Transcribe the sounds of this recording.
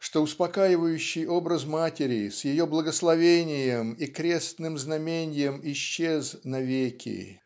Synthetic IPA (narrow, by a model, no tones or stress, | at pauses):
ʂt̪o̞ʊspɐkajɪvəjʉɕːɪjo̞bɾəsmatʲɪɾʲɪsjɪjo̞blˠəɡəslˠɐvʲenʲɪjəmikɾʲest̪nɨmznɐmʲenʲɪjəmɪɕːe̞znɐvʲekʲʰɪ̰